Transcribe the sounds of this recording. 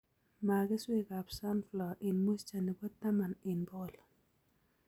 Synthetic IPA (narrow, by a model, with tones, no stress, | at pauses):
ma˨ɡɪ˦swi˦ka˨psa˦nflɔ˨ʔɪ˨nmu˦st͡ʃa˨ni˨bɔ˦tta˦ma˨nɪ˨nbɔ˦˨l